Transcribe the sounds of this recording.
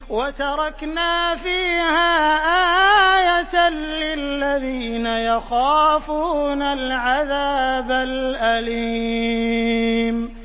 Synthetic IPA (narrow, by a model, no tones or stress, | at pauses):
wat̪ɑɾˤɑknaːfiːhaːʔaːjat̪anlɪlːaðiːnajaxaːfuːnalʕaðaːbalʔali | m